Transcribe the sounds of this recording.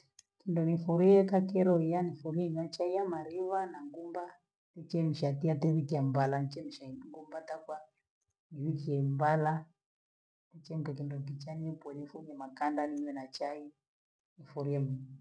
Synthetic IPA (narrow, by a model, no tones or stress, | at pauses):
kindɔnifuɾiɛkakɛɾɔijanifuɾiɛɲat͡ʃaijamaɾiβanaŋɡumba | tɛt͡ʃɛm̩ʃatiatɛβikiambalanit͡ʃɛm̩ʃaŋɡumbatakwa | niβikiɛmbala | tɛt͡ʃɛm̩kɛkindɔkit͡ʃanɛpwɔnifuɾiɛmakandaniɲwɛnat͡ʃai | nifuɾiɛmu